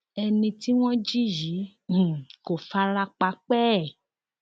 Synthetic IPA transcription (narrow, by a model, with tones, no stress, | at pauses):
ɛ˧nĩ˧ti˦w̃ɔ̃˦d͡ʒi˦jĩ˨˦˨ | ko˨fa˦la˦k͡pa˧k͡pɛː˦˨